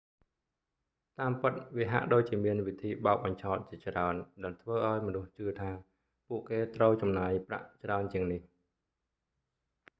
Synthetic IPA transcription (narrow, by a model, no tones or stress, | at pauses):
t̪aːmpɨt̪̚ʋiəɦa̰ʔɗoːc̚t͡ɕiəmiənʋit̪ʰiːɓaɔk̚ɓɑɲt͡ɕʰaɔt̪̚t͡ɕiət͡ɕraənɗaɛlt̪ʰʋəːʔaɔjmɔnuht͡ɕɨət̪ʰaː | puəʔkeːt̪rəwt͡ɕɑmnaːjpra̰ʔt͡ɕraənt͡ɕiəŋnih